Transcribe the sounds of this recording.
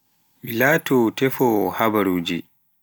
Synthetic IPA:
ɓilaːtɔtɛfɔɔhabaɾuːd͡ʒi

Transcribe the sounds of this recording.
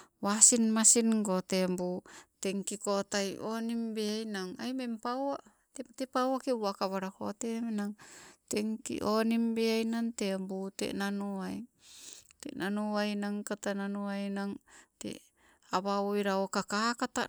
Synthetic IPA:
βasinmasinɡotembuteŋkikotajonimbeajnaŋajmempawa | tetepawakewakaβaɾako̰temenaŋteŋkḭʔonimbeajnantembutḛnanuaj | tḛnanuajnaŋkatananuajnaŋtḛ | aβaojɾaokakakata̰

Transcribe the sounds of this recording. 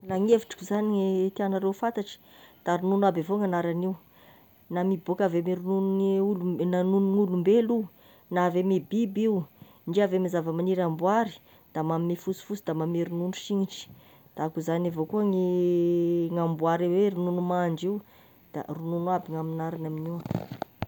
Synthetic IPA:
laŋeviʈ͡ʂi̥kʲuzaniŋet̪ianaɾewfant̪aʈ͡ʂi̥ | d̪̥aɾununwabavoŋanaɾaniu | namibokavemiɾununuulunanunuŋulumbelu | navemebibiw | ɳɖ͡ʐiavemizavəmaniɾambuaɾi̥ | d̪̥amamimifusi̥fusid̪amamiɾununuʃiŋiʈ͡ʂi̥ | d̪̥aakuzanavokuəŋi | ŋambuaɾiweɾununumaɳd͡ʒiw | d̪̥a̰rununuabiŋaminaɾanaminiwa

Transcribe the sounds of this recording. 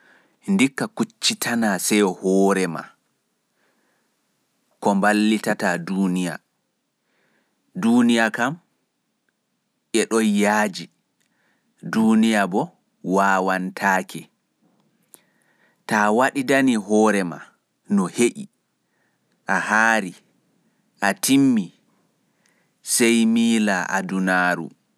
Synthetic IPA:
ndikːakut͡ʃːitʰanasɛjhɔːɾɛma̰ | kɔmbalːitataduːnija̰ | duːnijakam | ʔɛɗɔjaːd͡ʒi | duːnijabɔ | waːwantʰaːkʰɛ | taːwaɗidaniɦɔːɾɛma̰ | nɔheʔi | ʔahaːɾi | ʔatimːi | sɛjmiːlaʔa̰dunaːɾṵ

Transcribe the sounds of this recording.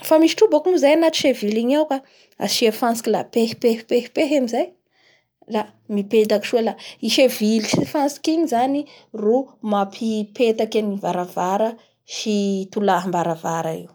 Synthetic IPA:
famiʃi̥ʈ͡ʂubakunuzajanat̪i̥ʃeviliɲawka | a̰ʃiafansi̥kila̰pehpehpehpeɦamizaj | ra | miped̪aki̥ʃuelaiʃevilisifansi̥kiɲizani | rumapʰipet̪akʲanivaɾavaɾə | ʃit̪ulaɦambaɾavaɾaḭw

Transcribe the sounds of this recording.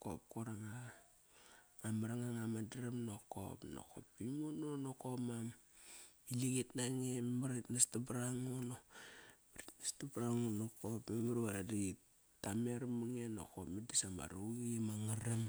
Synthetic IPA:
ko̰p̚koɾaŋa | amaɾaŋaŋamadaɾamnoko̰pno̰ko̰pːimononokomam | iliɡetnaŋemmaɾitnastabɾaŋonobaɾitnastabɾaŋonokopmemaɾadi | tameɾmaŋeno̰ko̰pmedisama̰ɾuɣimaŋaɾam

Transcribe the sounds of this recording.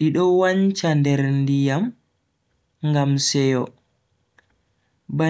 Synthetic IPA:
iɗɔwaɲt͡ʃandɛɾndijam | ŋɡamsɛjɔ | ba

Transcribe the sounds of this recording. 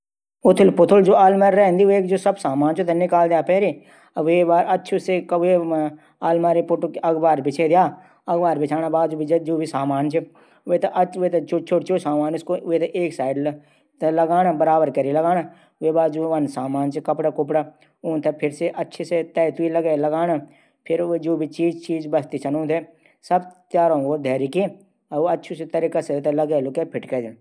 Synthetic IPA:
ʊt̪ʰɪlpʊt̪ʰʊld͡ʒoːaːlmaːɾɾɛːnd̪ieːkd͡ʒoːsɐbsaːmaːnt͡ʃot̪enɪkaːld̪jaːpɛːɾe | ʋebaːɾɐtːʃʰʊsekʋe | aːlmaːɾepʊʈkɐɡbaːɾbɪt͡ʃʰed̪jaː | ɐɡbaːɾbɪt͡ʃʰaːnabaːd̪d͡ʒoːbʱid͡ʒed͡ʒoːbʱisaːmaːnt͡ʃʰe | ʋet̪ɐʔɐet̪t͡ʃʰot͡ʃʰoʈt͡ʃʰosaːmaːnɪskoeːt̪eʔeːksaːɪɖl | t̪lɐɡaːnabəɾaːbəɾkɐɾilɐɡaːna | ʋebaːd͡ʒuʋɐnsaːmaːnt͡ʃʰikɐpɽakʊp̬ɽa | uːnt̪ʰɐpʰɪɾseʔɐtːʃʰeset̪ɛːt̪uilɐɡelɐɡaːna | pʰɪɾd͡ʒoːbʱit͡ʃiːd͡ʒt͡ʃiːd͡ʒbɐst̪it͡ʃʰɐnõːt̪ʰe | sɐbt̪jaːɾõɡod̪ʱɛːɾiki | ɐoɐtːʃʰuset̪ɐɾikaset̪ɐlɐɡelokepʰɪʈkɛd͡ʒ̪e

